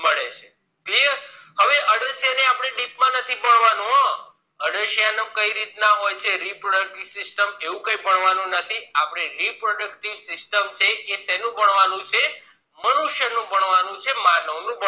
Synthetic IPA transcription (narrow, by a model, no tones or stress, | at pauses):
məɭet͡ʃʰe | kliəɾ | həʋeʔəɽəʃjaneapɽ̃eɖipmãnət̪ʰipəɳʋanũɦã | əɖəʃjanəkəiɾit̪naɦojt͡ʃʰeɾipɾoɽək̚ʈiʋsɪsʈəmeʋũkəipəɳʋanũnət̪ʰiapɽ̃eɾipɾoɖəkʈiʋsɪsʈəmt͡ʃʰeʔesɛnũbəɳʋanũt͡ʃʰe | mənuʃjənũpəɳʋanũt͡ʃʰemaləwnũbə